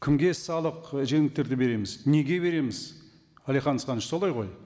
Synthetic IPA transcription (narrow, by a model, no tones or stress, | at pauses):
kʲʰɪmɡʲe̞sɑlˠəqʒe̞ŋɪk̚t̪e̞ɾd̪ɪbe̞ɾe̞mɪzne̞ɡʲe̞jβe̞ɾe̞mɪz | ælˠijχɑnəsqɑnəʃsolˠɑjʁo̞j